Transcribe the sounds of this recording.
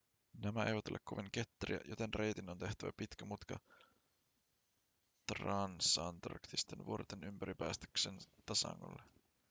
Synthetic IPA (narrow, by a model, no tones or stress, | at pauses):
næmæe̞jʋæt̪o̞lʔe̞kkoʋiŋke̞t̪ːæɾiæ̰jot̪e̞nre̞jt̪ino̞nt̪e̞ht̪yʋæ̰pit̪kæmut̪kɑ | t̪rɑnsɑnt̪ɑ̰rkt̪ist̪enʋuort̪enympæɾipæːst̪ø̥ksent̪ɑsɑ̰ŋːo̰lːe